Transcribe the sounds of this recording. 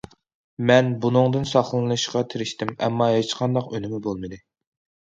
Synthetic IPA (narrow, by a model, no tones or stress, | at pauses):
mɛnbunɨŋd̪ɨnsɑχlˠɨnɨʃqɑt̪ʰɪɾɪʃt̪ɪmɛ̰mːɑɦet͡ʃqʰɑnd̪ɑqønɪmɪbolˠmɨd̪ɨ